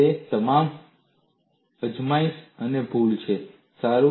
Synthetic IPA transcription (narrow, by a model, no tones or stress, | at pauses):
et̪əmam | əd͡ʒmaĩsənebʱuɭt͡ʃʰe | saɾu